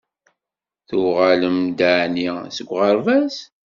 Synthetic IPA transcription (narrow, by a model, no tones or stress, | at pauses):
θʊʁaləmd̪əʕnisəɡʷʁəɾˤvæs